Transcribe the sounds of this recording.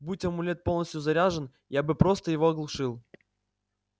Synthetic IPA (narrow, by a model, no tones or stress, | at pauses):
bɨtʲɐmʊlʲet̪̚po̞lˠnəsʲt̪ʲjʊzɐɾʲaʐən | jabɨpɾo̞st̪əjɪvo̞ɐɡlˠʊʂɨlˠ